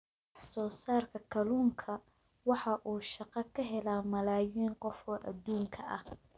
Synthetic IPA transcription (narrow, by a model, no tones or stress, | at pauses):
ɑħsɔːsaːrkʰɐkʰɐluːŋkʰɐ | wɑħɑʔuːʃɑqɑkʰɐɦɛlaːmɐlaːjiːnqɔfɔːʔɐd̪uːŋkʰɐʔɐh